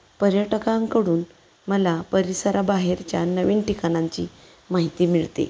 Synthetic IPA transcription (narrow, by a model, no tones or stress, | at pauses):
pəɾjəʈkãŋkəɽuːn | məlapəɾisəɾabaɦeɾt͡ɕjanəʋiːnʈikañaɲt͡ɕḭː | maɦit̪iːmiɭt̪ḛ